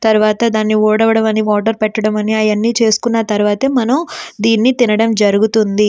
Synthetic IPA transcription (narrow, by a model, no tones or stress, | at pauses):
t̪ɐɾuʋaːt̪ɐd̪aːnːiuːɽɐʋɐɽɐmɐniʋaːʈ̬ɐɾpɛʈːɐɽɐmɐniɐjɐnːiːt͡ʃe̞ːsu̥kunːɐt̪ɐɾuʋaːt̪ɐmɐnɐmd̪iːnːit̪inɐɽɐmd͡ʒɐɾuɡut̪und̪i